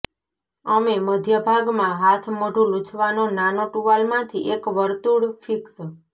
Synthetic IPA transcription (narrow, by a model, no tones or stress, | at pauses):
əmeməd̪ʱjəbʱaɡmãɦat̪ʰmoɖʱũlut͡ʃʰʋanonanoʈuʋalmãt̪ʰiʔekʋəɾt̪uɽfʰiks